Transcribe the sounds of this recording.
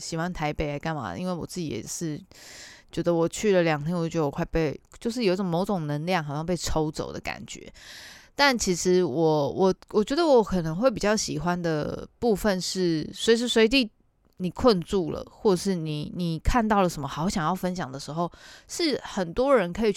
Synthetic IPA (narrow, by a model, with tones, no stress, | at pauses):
ɕi˨˩xwa˥nt̪ʰa˧˥ɪpe˨˩ɪla˧˥ɪka˥˩nma̰˨˩ʔḭ˧˥nwe˥˩ɪwɔ̰˨˩t͡sɹ̩˥˩t͡ɕḭ˨˩jɛ̰˨˩ʂɻ̩˥˩ | t͡ɕɥɛ˧˥d̪ə˧wɔ˨˩t͡ɕʰy˥˩lə˨ljɑ˨˩ŋt̪ʰjɛ˥nwɔ˨˩t͡ɕɥɛ˧də˧wkʰwa˥˧ɪpe˥˩ɪt͡ɕjo˥˧ʊʂ̬ɻ̩˥˩jo˨˥ʊ˥ʈ͡ʂŋmo˧˥ʊʈ͡ʂʊ˨˩ŋnə˧˦nljɑ˥˩ŋxɕɑ˧˥˧pe˥˩ɪʈ͡ʂʰo˧˥ʊt͡so̰˨˩ʊd̪ə̰˦ka̰˨˩nt͡ɕɥɛ̰˧˦t̪a˥˩nt͡ɕʰi˧˥ʂɻ̩˧˥wɔ˨˩wʔɔ˨˩wɔ˨˩t͡ɕɥɛ˧˥d̪ə˧wɔ˧˦kʰɤ˨˩nə˧˦ŋxwe˥˩ɪp̬i˨˩t͡ɕjɑ˥˩ʊɕḭ˨˩xwa˦nd̪ə˨pu˥˧fə˥˧nʂɻ̩˥˩swi˨˩ʂ̬ɻ̩˥˩swe˧ɪt̪̬i˥˧ | ni˨˩kʰwə˥˧nt͡su˥˩lə̰˩xwɔ˥˩ʈ͡ʂə˨˩ʂɻ̩˥˩ni˨˩ni˨˩kʰa˥˧nt̪ɑ˥˩ʊlə˩ʂə˧˥mə˧xɑ˧˥ʊɕjɑ˨˩ŋjɑ˥˩ʊfə˦˥nɕ̬jɑ˨˩ŋd̪ə˩ʂɻ̩˧˥xo˥˧ʊʂɻ̩˥˩xə˨˩nt̪wɔ˦˥ɻə˧˦nkʰɤ˧˥i˨˩